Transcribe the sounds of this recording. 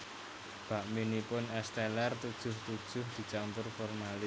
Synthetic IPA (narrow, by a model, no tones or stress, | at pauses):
b̥a̤ʔminipʊnɛst̪ɛlart̪ud̥ʒ̥ʊ̤ht̪ud̥ʒ̥ʊhd̪̥i̤t͡ʃampʊrfɔrmali